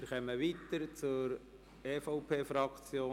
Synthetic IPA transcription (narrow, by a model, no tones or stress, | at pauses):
ɾkɛməʋiːt̪əɾt͡sʊɾ | eːfɔʊpʰeːfɾɑkt͡sjoː